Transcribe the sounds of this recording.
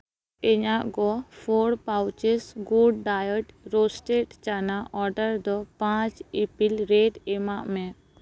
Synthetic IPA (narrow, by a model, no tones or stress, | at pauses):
ɛɲaʔɡɔpʰoɽpawt͡ʃesɡuɖɖajəʈɾosʈeʈt͡ʃanaʔɔɾɖəɾd̪ɔpãt͡ʃipilɾeɖɛmaʔmɛ